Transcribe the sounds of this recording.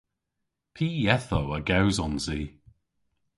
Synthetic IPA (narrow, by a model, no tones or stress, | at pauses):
pʰiːjɛθowəɡawzɔnziː